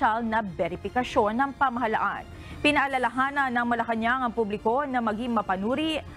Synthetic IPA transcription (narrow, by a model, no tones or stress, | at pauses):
alnɐbɛɾɪpɪkɐʃo̞nːɐŋpɐmɐɦɐla̰ʔa̰n | pɪnɐʔɐlɐlɐɦaːnɐnːɐŋmɐlɐkɐɲjaŋɐŋpublɪko̞nɐmɐɡiŋmɐpɐnuːɾiʔ